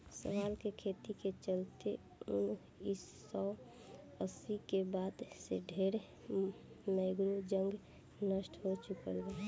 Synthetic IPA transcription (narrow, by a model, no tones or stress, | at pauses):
sə̰ʋalkekʰet̪iket͡ʃəlt̪e | un | is | ɔː | əsikebaːd̪seɖʱeɾ | məɪɡɾud͡ʒə̃ŋɡ | nəsʈʰɦot͡ʃʊkəlːa